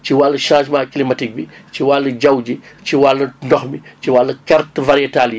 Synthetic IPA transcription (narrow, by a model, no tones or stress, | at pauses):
ciwalːɐʃãːʒmãːklimɐtik̚biciwalːɐɟɐwd͡ʒiciwalːɐndɔxmiciwalːɐkɐrtvɐɾijɛtalji